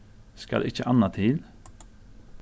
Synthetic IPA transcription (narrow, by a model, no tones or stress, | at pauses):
skɑ̰lʔɪçəʔɑnɑt̪ʰɪl